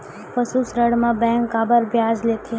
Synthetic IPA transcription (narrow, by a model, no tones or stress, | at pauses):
pəsusɾəɽmãbɛ̃ːŋkːaːbəɾbʱjaːd͡ʒlet̪ʰi